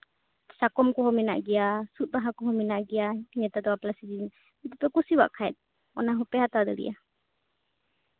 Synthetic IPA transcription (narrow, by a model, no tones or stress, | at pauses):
sakɔmkɔhɔmɛna̰ʔɡiasut̪̚baɦakɔɦɔmɛnaʔɡiaɲɛt̪ad̪ɔwaplasid͡ʒin | ɛt̪ɛpɛkusiwa̰ʔkʰaɛt̪̚ | ɔ̰naɦɔpɛhat̪ad̪ɔɾḭja